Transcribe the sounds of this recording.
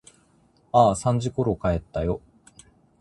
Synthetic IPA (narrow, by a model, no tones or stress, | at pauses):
aːsãɲ̟d͡ʑiko̞ɾo̞kae̞t̪ːajo̞